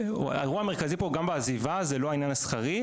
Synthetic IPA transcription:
a̰eʁuame̞ʁkazipoɡambeːzivazelo̞ainjanasχaʁi

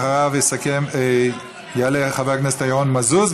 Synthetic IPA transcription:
aʁavjesakem | jaaleχaveʁknɛsetajaʁonmazuz

